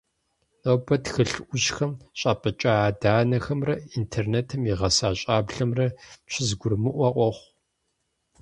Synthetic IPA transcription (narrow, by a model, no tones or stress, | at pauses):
obɐtxɨɬʔʷʊʒxɐmɕʼɐpʼɐt͡ʃʼɐaːdaːnɐxɐmrɐintʰerneːtʰɨmiʁɐsaːɕʼaːbɮɐmrɐpɕʰɪzɡʷʊrmɨʔʷɐʔʼʷɔχʷ